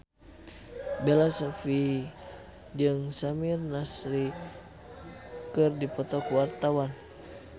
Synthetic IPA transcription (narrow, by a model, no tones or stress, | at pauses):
belasofi | d͡ʒɨŋsamirnasɾi | kɨrdipɔt̪ɔkuwart̪awan